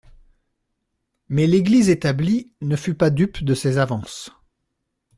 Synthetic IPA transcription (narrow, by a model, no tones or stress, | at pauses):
mɛleɡlizet̪ablinəfypad̪ypd̪əsezavɑ̃s